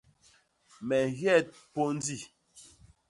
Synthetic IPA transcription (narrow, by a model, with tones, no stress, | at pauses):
mɛ˨ɣjɛ˦˨t̚po˦n˦di˦˨